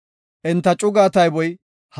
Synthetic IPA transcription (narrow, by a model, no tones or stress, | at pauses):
ʔɪnt̪ːɐt͡ʃʼʊɡaːt̪ɐjbɔj | h